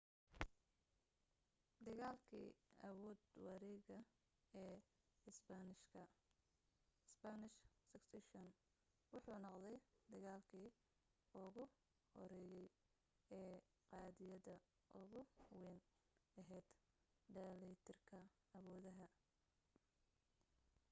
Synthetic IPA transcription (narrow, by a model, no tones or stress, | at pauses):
d̪ɐɣaːlkʰḭːɐ̰wɔːd̪wɑɾɛɣɐ | ɛː | ɪsbɐnɪʃkʰɐ | sbɐnɪʃsɐksɪʃɔn | wʊħuːnɑqd̪ɛjd̪ɐɣaːlkʰiː | ʊɣʊ | hɔ̰ɾɛːjɛj | ɛː | qɑːðɪjɐðɐ | ʔʊɣʊwɛn | ɐɦɛːd̪̥ | ɖɐlɛjt̪ʰɪrkʰɐ | ɐwɔːðɐɦɐ